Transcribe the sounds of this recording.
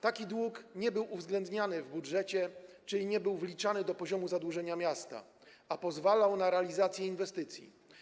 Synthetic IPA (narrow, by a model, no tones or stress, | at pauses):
t̪akʲid̪wukɲɛbɘwuvzɡlɛnd̪ɲanɘvbudʐɛt͡ɕɛt͡ʂɘlʲiɲɛbɘwvlʲit͡ʂanɘd̪ɔpɔʑɔmuzad̪wuʐɛɲamʲjast̪a̰ | apɔzvalawnaɾɛalʲizat̪sʲjɛinvɛst̪ɘt̪sʲjḭ